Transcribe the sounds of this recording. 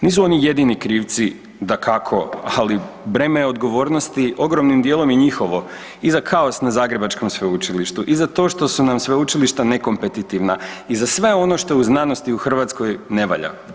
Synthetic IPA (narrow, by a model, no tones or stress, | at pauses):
niːs̬uo̞nije̞d̪inikɾiːʋt̪si | d̪akʰakʰo̞ali | bɾemeo̞d̪ɡo̞ʋo̞ːɾno̞st̪io̞ɡɾo̞mnimd̪jeːlˠo̞miɲixo̞ʋo̞ | izakʰao̞snazaːɡɾe̞bat͡ʃko̞msʋeut͡ʃiliʃt̪uʔizat̪o̞ʃt̪o̞sunamsʋeut͡ʃiliʃt̪ane̞ko̞mpe̞t̪it̪iʋnaizasʋe̞o̞no̞ʃt̪o̞uznanost̪iuxr̩ʋat̪sko̞jne̞ʋa̰ʎa̰